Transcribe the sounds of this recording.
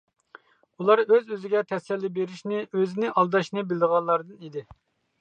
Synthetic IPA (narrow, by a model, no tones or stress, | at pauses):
ulˠɑɾøzøzɪɡʲɛt̪ʰɛsɛlːɪbeɾiʃnɪʔøzɪnɪʔɑlˠd̪ɑʃnɨbɪld̪əʁɑnlˠɑɾd̪ɨnid̪ɪ